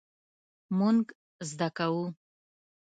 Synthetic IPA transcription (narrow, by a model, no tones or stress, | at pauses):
muŋɡ | zd̪akawu